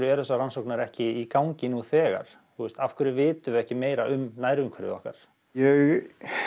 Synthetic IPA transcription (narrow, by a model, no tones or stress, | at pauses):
ɾʏɛɾθɛsːaransowknaɾɛhcɪikawɲcɪnuθɛːɣa̰ɾ̥ | θust̪afkʰʏɾɪvɪːt̪ʏvɛhcɪmeːjɾaʔʏmnaːjɾɪʏmkʰvɛɾɪ̰ðɔ̰hka̰ɾ̥ | jɛɣ